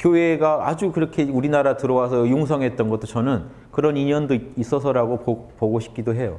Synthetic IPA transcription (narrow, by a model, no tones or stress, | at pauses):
kjoeɡaa̰d͡ʑukɯɾʌkʰe̞uɾinaɾatɯɾʌwas̬ʰʌjoŋs̬ʰʌŋɦe̞t̚t͈ʌnɡʌt͈ot͡ɕʌnɯn | kɯɾʌniɲʌndois͈ʌsʰʌɾaɡoopoɡoɕʰi̥p̚k͈idoɦe̞jo